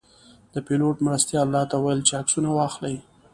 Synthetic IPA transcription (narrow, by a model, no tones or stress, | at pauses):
d̪̥əpeloʈmɾast̪jɑlːɑt̪awajəlt͡ʃeaksunawɑxlaj